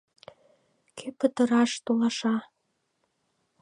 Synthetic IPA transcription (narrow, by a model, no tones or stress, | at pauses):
kʰepət̪əɾɑʃt̪olɑʃɑ